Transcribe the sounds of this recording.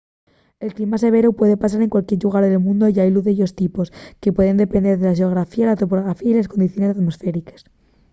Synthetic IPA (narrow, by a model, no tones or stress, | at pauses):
e̞lklimas̬e̞β̞e̞ɾopwe̞ðepasaɾe̞ŋkwalkje̞ɾʎuɣ̞aɾðe̞lmũnd̪oʝajluðeʝo̞st̪ipo̞ske̞pwe̞ð̞e̞nd̪epend̪e̞ɾðe̞laʃeoɣ̞ɾafialat̪o̞poloɣɾafiailasko̞nd̪iθjo̞ne̞sat̪mo̞sfe̞ɾike̥s